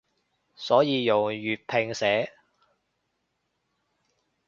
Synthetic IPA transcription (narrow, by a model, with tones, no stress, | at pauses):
sɔː˨˥jiː˨˧jʊ˨˩ŋjyː˨t̚pʰɪ˨˧ŋsɛː˨˥